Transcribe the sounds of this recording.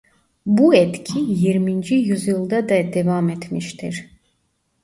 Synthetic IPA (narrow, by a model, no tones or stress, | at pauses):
buɛt̪cʰijiɾmind͡ʒijyzjɯlˠd̪ad̪ad̪evamet̪ʰmiʃt̪ʰiɾ̥